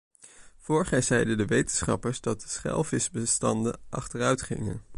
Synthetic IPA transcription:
v̥ʊɹχəzɛjdədəʋejtənsχɑ̰pəɹzdɑt̚dəsχɛ̰lˠvɪsbəstɑndə̰ʔɑ̰χtərœɥtχɪ̰ŋə̰n

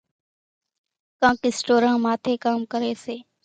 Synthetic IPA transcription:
kãːkɪsʈoːɾãːmaːt̪ʰeːkaːmkəɾeːseː

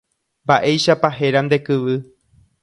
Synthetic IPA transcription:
mbaʔe̞jʃapaɦe̞ɾand̪e̞kɨʋɨ

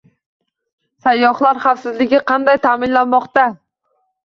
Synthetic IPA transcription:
sajːɒχlˠaɾχɑfsɪzlɪɡʲɪqʰɑnd̪ajt̪ʰaːmɪnlanmɒqt̪a

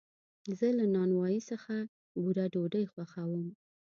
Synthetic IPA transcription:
zəlanɑnwɑjisəxa | buɾaɖoɖəjxwaxawəm

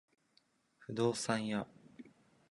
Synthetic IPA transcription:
ɸɯ̟d̪o̞ːsãɰ̃ja

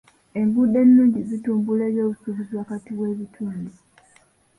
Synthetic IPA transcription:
e̞mbude̞nːuːɲɟizituːmbule̞ːβjo̞ːβusuβizwakatiβwe̞ːβitʰuːndi

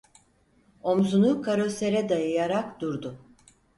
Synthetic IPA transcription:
o̞mzunukʰaɾo̞se̞ɾɛd̪ajɯjaɾakd̪uɾd̪ʊ

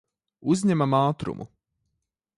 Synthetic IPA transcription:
uzʲɲɛmamaːt̪ɾṵmʔṵ

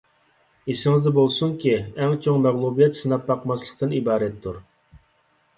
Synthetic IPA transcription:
isɪŋɨzd̪ɛbolˠsuŋkʲiɛŋt͡ʃʰoŋmɛʁlˠubijɛt̪sɨnɑpːɑqmɑslˠəq̚t̪ɨnibɑːɾɛt̪ʰːuɾ

